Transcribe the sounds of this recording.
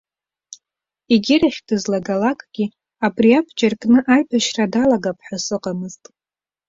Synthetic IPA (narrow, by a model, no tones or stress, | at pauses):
iɡʲɪraχʲdɨzlaɡalakʼɡʲi | abʼriapʰd͡ʒarkʼnɨʔaɥbʰaʃradalaɡapʰħasɨqʼamɨztʼ